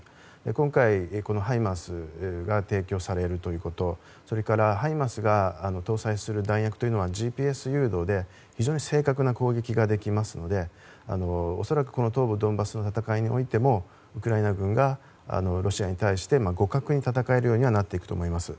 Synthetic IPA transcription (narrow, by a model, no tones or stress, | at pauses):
ekõ̞ŋkaiko̞no̞ɦaimasɨɡat̪e̞ːkʲo̞ːsaɾe̞ɾɯ̟t̪o̞jɯ̟ːko̞t̪o̞ | so̞ɾe̞kaɾaɦaimasɨɡaːno̞t̪o̞ːsaisɨɾɯ̟d̪ãĩjakɯ̟̥o̞jɯ̟no̞βaʑiːpʲiːe̞sɨjɯ̟ːd̪o̞ːd̪e̞ | çiʑo̞ːɲ̟ise̞ːkak̬ɯ̟nako̞ːɡe̞kʲiɡad̪e̞kʲimasɨno̞d̪e̞ | a̰no̞ːso̞ɾakɯ̟̥ko̞no̞t̪o̞ːbɯ̟d̪õ̞mbasɨno̞t̪at̪akaiɲ̟io̞̰it̪e̞mo̞ | ɯ̟kɯ̟ɾainaɡɯ̟̃ŋɡa | a̰no̞ɾʔo̞ɕiaɲ̟it̪aiɕi̥t̪e̞maɡo̞kakɯ̟ɲ̟it̪at̪akae̞ɾɯ̟jo̞ːɲ̟iβanat̪ːe̞ikɯ̟̥t̪o̞̰mo̞imasɨ